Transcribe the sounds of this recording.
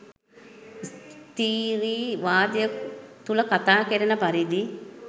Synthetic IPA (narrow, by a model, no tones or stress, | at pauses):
st̪iːɾiːʋaːd̪jət̪uləkat̪aːkeɾənəpaɾid̪i